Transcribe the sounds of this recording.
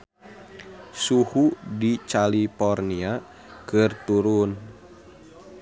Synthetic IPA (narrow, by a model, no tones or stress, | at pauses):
suhudit͡ʃalipɔrnia | kɨrt̪uɾun